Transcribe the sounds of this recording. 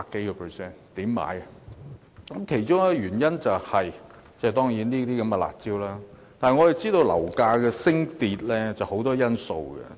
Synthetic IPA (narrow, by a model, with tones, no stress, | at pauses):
paː˧kːe˨˥jkɔ˧pʰə˨sɛː˥nt̪iː˨˥mːa̰ː˨˥jɐ˨ | kɐ˨˥mkʰe˨˩jt͡ʃʊ˥ŋɛː˧jyː˨˩njɐ˥nt͡sɐ˨whɐ˨˩j | t͡sɛ˥˨t̪ɔː˥ŋjiː˨˥nniː˥t̪iː˥kɐ˨˧˥mɛ˧la̰ː˨˩t̚t͡siː˥wlaː˥ | t̪aː˨nɦɐ˨jŋɔː˨˧jɐ˨˩t͡siː˥t̪o˧wlɐ̰˨˩wkaː˧kɛː˧sɪ˥ŋt̪iː˨t̚lɛː˥t͡sɐ˨˩who˨˥wt̪ɔː˥jɐ˥nso̰˧wɡɛ̰˨˧